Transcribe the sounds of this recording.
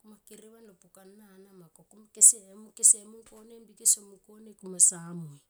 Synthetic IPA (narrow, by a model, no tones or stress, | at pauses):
kumakeɾiβanlopukanːanamakokumakeseːmukesemunko̞nembikesomuŋko̞nekumasamuj